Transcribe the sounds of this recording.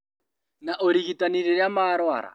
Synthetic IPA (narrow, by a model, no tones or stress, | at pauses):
naʔoɾiɣitʼaniɾiɾjamaːɾwa̰ːɾa̰